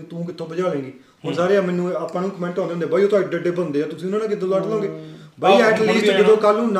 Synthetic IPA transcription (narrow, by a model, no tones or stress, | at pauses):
t̪ũːk̬ɪt̪ʰːõːbəd͡ʒaːlẽːŋɡiː | ɦoːnsaːɾeːãːmɛ̃ːnũːaːpãːnũːkəmɛ̃ːɳʈɔːnd̪eõːndeːbaːioːt̪aːɖeɖeːbənd̪eːaːt̪ʊsĩːʊnãːnãːkɪt̪ːoːlaːʈlɔ̃ːŋɡeː | baːiaɛːʈliːkɪd̪oːkəlũːna